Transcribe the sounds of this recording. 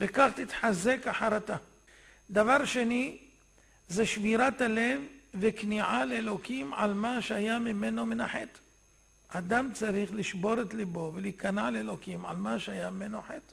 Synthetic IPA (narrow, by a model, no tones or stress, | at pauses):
vekaχt̪it̪ħazekaħaɾat̪a | d̪avaʁʃe̞ni | zeʃviɾat̪ale̞vːekniʕaleelo̞kimʕa̰lmaʃeajamime̞no̞minaħet̪ | ad̪amt͡saʁiχliʃbo̞ɾet̪libo̞velikanaʕlelo̞kimʕa̰lmaʃeajamimenoħet̪